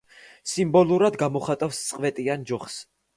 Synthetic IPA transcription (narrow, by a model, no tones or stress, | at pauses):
simbɔlˠuɾad̪ɡamɔχat̪ʼafst̪sʼqʼvɛt̪ʼiand͡ʒɔχs